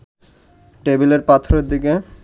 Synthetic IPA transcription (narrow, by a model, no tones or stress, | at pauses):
ʈebeleɾpat̪ʰoɾeɾd̪ike